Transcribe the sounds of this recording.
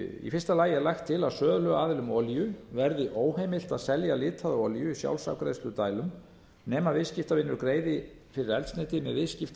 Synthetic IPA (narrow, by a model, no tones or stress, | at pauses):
ḭfɪr̥st̪alaːjɛɾlajxt̪ʰːɪlaðsœːðlœɣaːðɪlʏmɔljʏvɛɾðɪʔoːwhejmɪl̥t̪aðsɛljalɪːt̪ʰaðʏɔljʏisja̰wlsa̰wkɾeðst̪ʏt̪aːjlʏm | nɛːmaðvɪðscɪft̪avɪnːʏɾkɾeːjðɪ | fɪɾɪɾɛlt̪snejt̪ɪmɛðvɪðscɪft̪